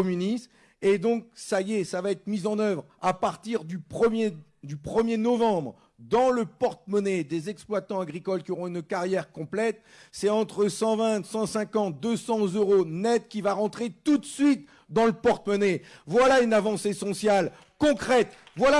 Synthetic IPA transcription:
ɔmynis | ed̪ɔ̃ksajesavaɛt̪χmizɑ̃nœvʁ | apaʁt̪iʁd̪ypχəmje | d̪ypχəmjenɔvɑ̃bʁ | d̪ɑ̃ləpɔʁt̪̚mɔned̪ezɛksplwat̪ɑ̃aɡʁikɔlkʲiɔʁɔ̃ynkaʁjɛʁkɔ̃plɛt̪̚ | sɛtɑ̃t̪χəsɑ̃vɛ̃t̪sɑ̃sɛ̃kɑ̃t̪̚d̪əsɑ̃zøʁonɛt̪kʲivaʁɑ̃t̪χet̪ut̪sɥit̪̚ | d̪ɑ̃ləpɔʁt̪mɔnevwalaynavɑ̃sesɔ̃sjal | kɔ̃kχɛt̪ | vwala

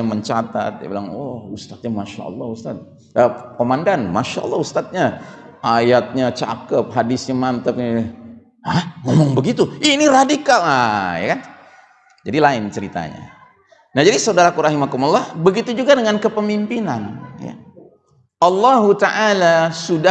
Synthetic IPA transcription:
məɲt͡ʃat̪a̰t̪̚dia̰bilaŋwɔhust̪at̪̚ɲamaʃa̰ʔɔ̰lˠˤːɑhust̪at̪̚ | əkomandanmaʃaʔɔ̰lˠˤːɑhust̪at̪̚ɲaʔajat̪̚ɲat͡ʃa̰kəp̚ɦadɪsɲamant̪əp̚ | ahŋomɔŋbəɡit̪uiniradikalaja̰kan | d͡ʒadilaɪnt͡ʃəɾit̪a̰ɲa̰ | nahd͡ʒadisaudaɾakuɾaɦimakumlˠːɑhbəɡit̪ud͡ʒuɡadəŋankəpəmimpinanja̰ | ʔɑlːɑɦut̪aʔalasuda

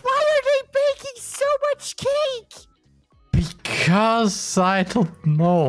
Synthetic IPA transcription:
waɪə˞ðeɪbeɪkɪ̃ŋsoʊmʌt͡ʃkʰeɪk | b̥ɨkʰʌzaɪdõʊnoʊ

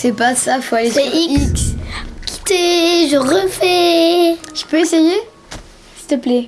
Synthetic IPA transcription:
sɛpasafwalefɛiikskʲʰi̥t̪eʒəʁəfɛ | ʒə̥pøeseje | si̥t̪əplɛ

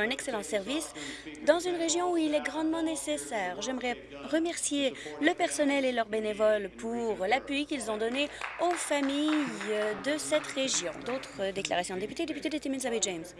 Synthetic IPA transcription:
ɛ̃nɛkselɑ̃sɛʁvis | d̪ɑ̃zynʁeʒjɔ̃uilɛɡʁɑ̃d̪mɑ̃nesesɛːʁʒɛmʁɛ | ʁəmɛʁsjeləpɛʁsɔnɛlelœʁbenevɔlpʰuʁlapɥikʲilzɔ̃d̪ɔneofamijd̪əsɛt̪ʁeʒjɔ̃d̪ot̪χəd̪ekla̰ʁasjɔ̃d̪epyt̪ed̪epyt̪ed̪et̪eminzabɛʒams

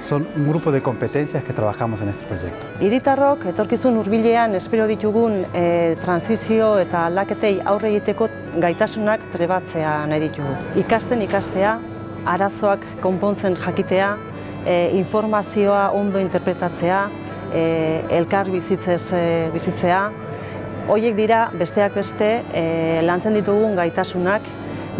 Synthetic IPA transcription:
so̞nuŋɡɾupoðeko̞mpe̞t̪enθjaske̞t̪ɾaβaxamo̞senest̪e̥pɾoʝḛk̚t̪o̥iɾit̪aro̞ke̞t̪o̞ɾkisunuɾβiʎe̞ane̞spe̞ɾo̞ð̞it̪uɣunt̪ɾansisio̞e̞t̪aːld̪ake̞t̪e̞ja̰wre̞ɣ̞it̪e̞ko̞ | ɡajt̪asunakt̪ɾe̞βat͡se̞anajðit̪uɣuikast̪e̞nikast̪e̞a | aɾaso̞akːo̞mpo̞nt͡se̞nʝakit̪e̞a | iɱfo̞ɾmasio̞aʔo̞nd̪o̞int̪e̞ɾpɾe̞t̪at͡se̞a | elkaɾβisit͡sβisit͡se̞a | o̞je̞k̚d̪iɾabe̞st̪e̞ak̚be̞st̪e̞lant͡se̞nd̪it̪uɣ̞uŋɡajt̪asunak

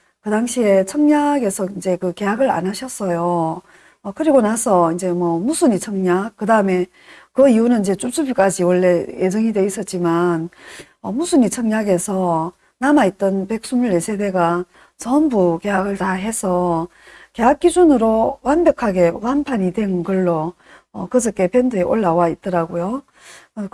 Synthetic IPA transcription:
kɯdaŋɕʰie̞t͡ɕʰʌŋɲaɡe̞sʰʌind͡ʑe̞kɯke̞ɦaɡɯɾa̰naɕʰʌs͈ʌjo | ʌkɯɾiɡonasʰʌind͡ʑe̞mwʌmusʰuɲit͡ɕʰʌŋɲak̚k͈ɯdaɯme̞ | kɯiunɯnind͡ʑe̞t͡ɕ͈omt͡ɕ͈ubik͈ad͡ʑiwʌɭːe̞jʔe̞d͡ʑʌŋidwe̞is͈ʌt̚t͡ɕ͈iman | ʌmusʰuɲit͡ɕʰʌŋɲaɡe̞sʰʌ | namait̚t͈ʌnpe̞k̚s͈umuɭːe̞sʰe̞de̞ɡa | t͡ɕʌmbuke̞ɦaɡɯɭtaɦe̞sʰʌ | ke̞ɦak̚k͈id͡ʑunɯɾowanbjʌkʰaɡe̞wanpʰaɲidwe̞nɡʌɭːo | ʌkɯsɯk͈e̞pe̞ndueʔoɭːawait̚t͈ʌɾaɡojo

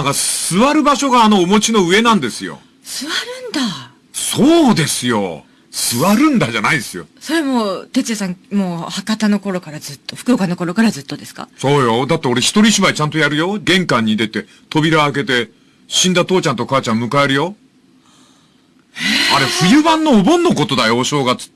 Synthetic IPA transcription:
ãŋkasɨβaɾɯ̟baɕo̞ɡaːno̞ːmo̞t͡ɕino̞ɯ̟e̞nãnd̪e̞sɨjo̞̰ | sɨβaɾɯ̟̃nd̪a | soːd̪e̞sɨjo̞̰ | sɨβaɾɯ̟̃nd̪aʑanaid̪esɨjo̞̰soɾemoːt̪et͡sɨasãŋmoːhakat̪ano̞ko̞ɾo̞kaɾazɨt̪ːoɸɯ̥kɯ̟okanokoɾokaɾazɨt̪ːo̞d̪e̞sɨ̥ka̰so̞ːjo̞d̪at̪ːe̞o̞ɾe̞çi̥t̪o̞ɾʲiɕimait͡ɕãnt̪o̞jaɾɯ̟jo̞ɡẽ̞ŋkãɲ̟ːid̪e̞t̪e̞ | t̪o̞bʲiɾaːke̞t̪e̞ | ɕĩnd̪at̪o̞ːt͡ɕãnt̪o̞kaːt͡ɕãmmɯ̟kaeɾɯjo̞ | aɾe̞ɸɯ̟jɯ̟bãnːo̞ːbõ̞nːoko̞t̪o̞d̪ajo̞ɕo̞ːɡat͡sɨ̥

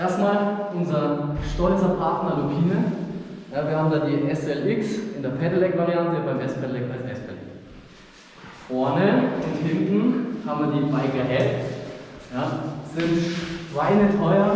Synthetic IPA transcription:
ʔeːɐstmaːlʔʊnzɐʃtɔʏt͡sɐpʰaɐtnɐlopʰiːnə | jaːviɐhaːbm̩daːdiːʔɛsɛlʔɪksɪndeːɐpʰɛnəlɛkvaʁiantəbaɪmɛstpʰɛnlɛkalsɛspʰɛlɛ̰ | fɔɐnəʊnthɪntn̩haːbmviːɐdiːbaɪɡɐɦɛftjaːz̥ɪntʁaɪnətʰɔʏɐ

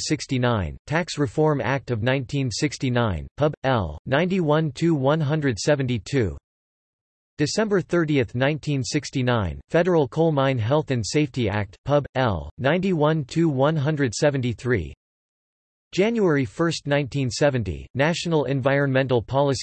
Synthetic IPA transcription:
sɪkstinãɪ̃ntʰæksɹɨfɔɹmæ̰k̚tʌvnãɪ̃ntʰĩnsɪkstinãɪ̃npʰʌbɛ̰lˠnãɪ̃ntiwʌ̃ntʰʉwʌ̃nɦʌ̃ndɹɨd̥sɛvɨ̃n̩titʰʉ̰ | d̥ɨsɛ̃mbə˞θɜ˞ɾiɨθnãɪ̃ntʰĩnsɪkstinãɪ̃nfɛɾə˞l̩ˠkʰoʊmãɪ̃nɦɛlˠθɨ̃nseɪftiæ̰k̚t̚pʰʌbɛ̰lˠnãɪ̃ntiwʌ̃ntʰʉwʌ̃nɦʌ̃ndɹɨd̥sɛṽn̩tiθɹḭ | d̥ʒ̥æ̃njuɛɹifɜ˞stⁿnãɪ̃ntʰĩnsɛvɨ̃ntḭnæʃn̩l̩ˠɨ̰̃ɱvaɪɹɨ̃nmɛ̃ntˡl̩ˠpʰɑlˠəs

